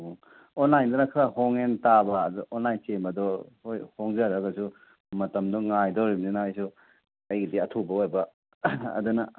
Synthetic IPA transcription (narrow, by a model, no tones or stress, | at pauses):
onlajndɐnɐkʰɾahoŋentabɐːduonlajnt͡ʃemɐdɔojhoŋzaɾɐɡɐsu | mɐtɐmdɔŋajdowɾibninajsu | ɐjɡidiɐtʰubɐojbɐ | ɐ̰dunɐ